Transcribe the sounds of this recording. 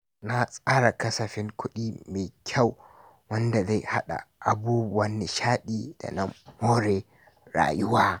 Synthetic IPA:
na˦sʼaː˦ɽa˨kɐ˦sɐ˨ɸɪ˦ŋkʷʊ˦ɗiː˦meː˨kʲʰa˦˨w | wɐ˦nda˨za˦˨ha̰˦ɗa̰˨ʔa˨buː˦bʊ˨wɐ˦nːe˨ʃaː˦ɗiː˨d̥a̰˨na˦moː˦ɾeː˨ | ɽa̰ː˨jʊ˦waː˦

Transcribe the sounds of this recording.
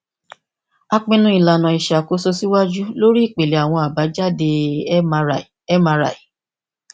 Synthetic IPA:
a˧k͡pĩ˧nũ˦i˦˨la˨nã˨i˨ʃa˨ko˨˦so˧si˦wa˦d͡ʒu˦lo˦ɾi˦i˦˨k͡pe˨le˨˦a˨w̃ɔ̃˧a˨ba˨˦d͡ʒa˦de˧˦˧ | ɛ˦mã˧ɾa̰˨i˨˦

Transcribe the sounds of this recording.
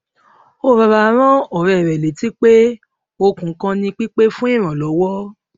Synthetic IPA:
o˦˨ba˧ba˧˦ɾ̃ɔ̃˦ɔ˨ɾɛ˨ɾɛ˨le˨˦ti˦k͡pe˦ | o˧kũ˨˦kã˧nĩ˧k͡pi˦k͡pe˦fũ˦i˦˨ɾ̃ã˨lɔ˨˦wɔ˦

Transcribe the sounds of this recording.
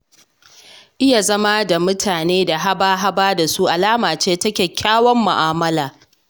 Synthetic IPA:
ʔɪ˦ja˨zɐ˦ma˦da˨mʊ˦tʰaː˨neː˦da˨ɦa˦baː˦ɦa˦baː˦da˨su˦ʔa˨laː˦maː˨t͡ʃeː˦tɐ˦kʲeː˨kʲʰaː˦wɔ˦mːʊ̰˨ʔaː˦mɐ˦laː˨

